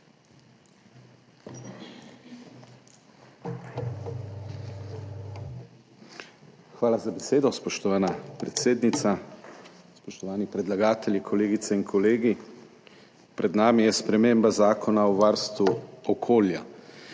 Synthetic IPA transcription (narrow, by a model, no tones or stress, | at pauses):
xʋaːlazabeseːd̪ɔspɔʃt̪ɔʋaːnapɾɛt̪seːd̪nit̪sa | spɔʃt̪ɔʋaːnipɾɛd̪laɡaːt̪ɛljikʰɔleːɡit̪sɛinkʰɔleːɡi | pɾɛd̪naːmijɛspɾɛmeːmbazaːkʰɔnaɔʋaɾst̪ʋuɔkʰoːlja